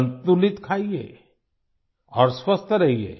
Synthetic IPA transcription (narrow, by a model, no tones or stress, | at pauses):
nt̪ulɪt̪kʰaːiḛː | ɔːɾswɐst̪ʰəɾɐɦiḛː